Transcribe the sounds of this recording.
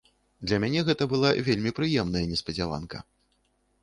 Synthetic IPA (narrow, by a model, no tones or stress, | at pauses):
d̪lʲɐmʲanʲɛɣɛt̪ɐbɨlˠavʲelʲmʲipɾɨjɛmnɐjɐnʲɛspɐd͡zʲalˠa̰nkɐ̰